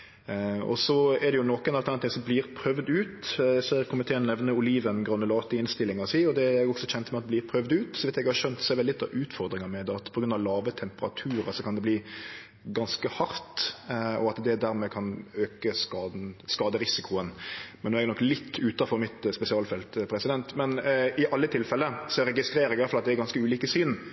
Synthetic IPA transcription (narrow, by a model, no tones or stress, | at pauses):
ɔ̰sɔɛd̪ɛjʊnɔkːɛnɑlt̪ɑnt̪ʰɪŋsɔmbliːɾpʰɾœʋd̪ʉːt̪æsekʰʊmɪt̪ʰeːnnɛʋnəʊliːʋənɡɾɑnːəlɑːt̪əɪnst̪ɪlːɪŋɑsiːɔd̪ɛæɡɔɡsɔçɛnt̪mɛɑt̪̚bliːɾpʰɾœʋd̪ʉːt̪sɔʋɪt̪ɛɡhɑɾʃœnt̪sɔɛɾʋɛllɪt̪ːɑ̰ʋʔʉːt̪fɔɾd̪ɾɪŋɑɾmɛd̪ɑt̪pʰɔɡɾʉnd̪ɑʋlɑːʋət̪ʰɛmpəɾɑ̰t̪ʰʉːɾə̰sɔkʰɑnd̪ɛbliː | ɡɑnskəhɑɾt̪ɔɑt̪d̪ɛd̪æɾmɛkʰɑnøːkəskɑːd̪nskɑːd̪əɾɪsɪkʰʊənmɛnɔːɛɡnɔkːlɪt̪ʰːʉːt̪ɑfɔɾmɪt̪spɛsɪɑːlfɛlt̪pʰɾɛsɪd̪ɛnt̪mɛnɪʔɑlːət̪ʰɪlfɛlːəsɔɾɛɡɪst̪ɾeːɾɛɡjɑlfɑlɑt̪d̪ɛɾɡɑnskəʉːliːkəsyːn